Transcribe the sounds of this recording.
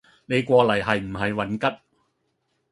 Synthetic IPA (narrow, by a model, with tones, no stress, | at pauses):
ne˨˧jkʷɔː˧lɐ˨˩jɦɐ˨jm̩˨˩ɦɐ˨jwɐ˨˥nkɐ˥t̚